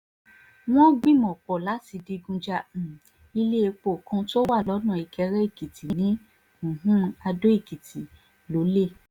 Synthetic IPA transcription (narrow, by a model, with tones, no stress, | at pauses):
w̃ɔ̃˦ɡ͡bĩ˦˨mɔ̃˨k͡pɔ˨la˨˦ti˧di˧ɡũ˧d͡ʒa˧˨ | i˧le˦e˧k͡po˦˨kũ˧˦to˦wa˦˨lɔ˨˦nã˦˨i˨kʰɛ˧ɾɛ˦i˦˨ki˨tĩ˨nĩ˨˦ | ũ˨ɦũ˦a˧do˦i˦˨ki˨tʰi˨ | lo˨˦le˦˨